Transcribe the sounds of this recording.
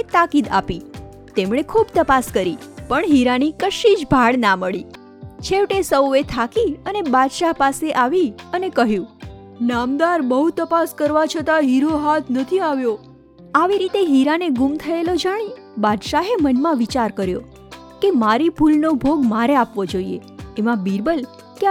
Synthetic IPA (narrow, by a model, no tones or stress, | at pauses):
et̪akid̪a̰pi | t̪emɽ̃ekʰubt̪əpaskəɾipəɳɦiɾanikəʃid͡ʒbʱaɭnaməɭi | t͡ʃʰeʋʈesəwet̪ʰakiənebad̪ʃapaseʔaʋiənekəɦjũ | namd̪aɾbəɦut̪əpaskəɾʋat͡ʃʰət̪aɦiɾoɦat̪ʰnət̪ʰiaʋjo | aʋiɾit̪eɦiɾaneɡumt̪ʰəelod͡ʒaɽ̃i | bad̪ʃaɦemənmãʋit͡ʃaɾkəɾjo̰ | kemaɾibʱulnobʱoɡmaɾeapʋod͡ʒoiḛːmãbiɾbəl | ke